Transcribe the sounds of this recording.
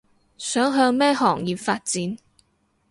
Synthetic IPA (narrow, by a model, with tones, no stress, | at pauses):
sœː˨˥ŋɦœː˧ŋmɛː˥hɔː˨˩ŋjiː˨pfaː˧t̚t͡siː˨˥n